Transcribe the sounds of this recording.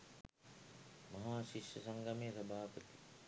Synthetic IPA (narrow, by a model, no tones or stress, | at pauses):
mɐɦaːʃiʃjɐsɐŋɡɐmejəsɐbʱaːpət̪i̥